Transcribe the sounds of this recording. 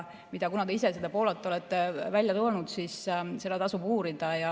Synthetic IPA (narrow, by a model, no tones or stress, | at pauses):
mid̪̥ɑkunɑd̪eise̞sed̪ɑpo̞ːlɑt̪ːˑeo̞let̪ˑːevælʲjɑt̪oːnud̪siːsse̞lɑt̪ɑsubuːɾid̪̥ɑjɑ